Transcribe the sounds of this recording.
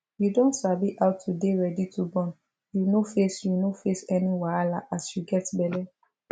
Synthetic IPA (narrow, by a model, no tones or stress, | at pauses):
judɔ̃ntsabiʔawtʰudeɹɛditʰubɔ̃n | junofesjunofesɛniwalaʔasjuɡɛtbɛlɛ